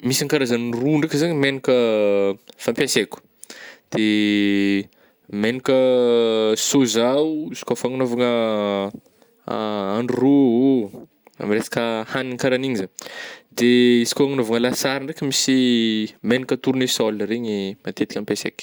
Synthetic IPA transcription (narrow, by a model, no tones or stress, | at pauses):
misiŋkaɾazəniruɳɖ͡ʐekəzaɲimenikə | fampʲjasekʲu̥ | d̪̥e | menikʲə | sozawisi̥kofaŋunovaŋə | aɳɖ͡ʐuruo | a̰miɾesḁkəhaniŋkaɾaniɲizaɲd̪eisi̥kʲoaŋunovaŋəlasaɾinrekʲəmisimenikət̪uɾunesɔlɾeɲimat̪et̪i̥kʲampjasḛkʲ